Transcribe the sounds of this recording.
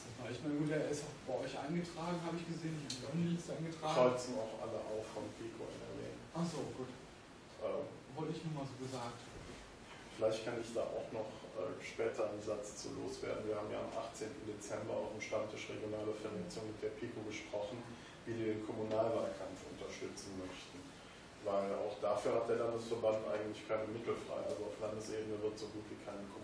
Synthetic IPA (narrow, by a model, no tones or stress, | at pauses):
baɪçmaɪnəɡuːteːɐɪsaʊxb̥aɪʔɔʏçʔa̰ɪnɡətʁ̥aːɡŋ̩ɦaːbəɪçɡ̥əzeːənɪçaːbɔnlɪsʔaɪnɡətʁ̥aːɡɔʏt͡snuaʊxʔa̰ləʔa̰ʊfːɔmpʰiːkʰo̰ʔɪ̰nɛ̰ɐvḛːnʔaχz̥oːɡ̥uːt | ʔɛːm | vɔltəɪçnuːmaːlzoːɡəzaːk̚t | fɪlaɪçt̚kʰanɪçd̥a̰ːʔa̰ʊxnɔχʔɛːʃpɛːtʰɐanənzat͡st͡sṵːlo̰ːsv̥ḛːɐdn̩viɐhaːm̩ja̰amʔa̰χt͡seːntn̩det͡sɛmbɐa̰ʊfdemʃtamtʰɪʃʁeɡjonaːlɐfɛɐnɛt͡sʊŋmɪt̚d̥eːɐpʰikoɡəʃpʁ̥ɔχn̩ | viːdiːdeːnkʰɔmunaːlvaːlkʰamfʔʊ̰ntɐʃtʏt͡sn̩mœçtn̩ | vaɪla̰ʊxd̥afyːɐhat̚d̥eːɐlandəsfɛɐbantʔa̰ɪɡŋ̩tlɪçkʰaɪnəmɪtl̩fʁ̥a̰ɪʔalzoaʊflandəsʔeːbənəvɪɐtz̥oɡuːtv̥iːkʰaɪnəkʰɔ